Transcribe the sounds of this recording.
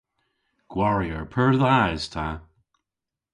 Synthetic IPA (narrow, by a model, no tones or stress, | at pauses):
ɡ̥wɔɹiəɹpʰəɹðajz̥tʰa